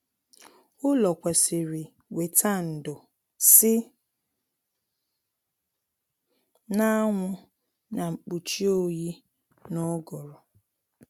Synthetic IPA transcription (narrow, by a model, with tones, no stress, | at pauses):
ʊ˦lɔ˨kʷe˨sɪ˨ɾɪ˨ | we˨tʰa˦n̩˨dʊ˨ | sɪ˦ | na˦ŋʷʊ˦ | na˨ŋ͡m̩˨k͡pu˨t͡ʃi˦o˦ji˦ | nɔ˦ɡɔ˨ɾɔ˨